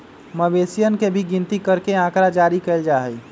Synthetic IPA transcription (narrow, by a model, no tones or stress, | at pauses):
məbesijənkebʱiɡĩnt̪ikəɾkeãkɾad͡ʒaɾikəɪld͡ʒaːɦɛj